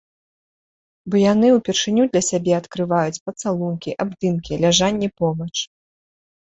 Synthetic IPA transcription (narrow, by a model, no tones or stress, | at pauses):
bɔjanɨupʲɛrʂɨnʲud̪lʲɐsʲabʲɛɐt̪kɾɨvajut͡sʲpɐt̪salˠunkʲiʔabd̪ɨnkʲilʲaʐanʲːɛpɔbɐt͡ʂ